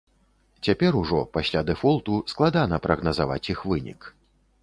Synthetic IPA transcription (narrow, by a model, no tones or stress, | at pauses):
t͡sʲapʲɛɾuʐɔpasʲlʲad̪ɛfɔlˠt̪usklˠad̪anɐpɾɐɣnɐzava̰t͡sʲixvɨnʲḭk